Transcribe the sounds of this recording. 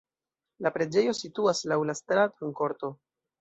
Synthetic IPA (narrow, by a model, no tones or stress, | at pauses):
lapɾe̞d͡ʒe̞jo̞situaslawlastɾataŋko̞ɾto̞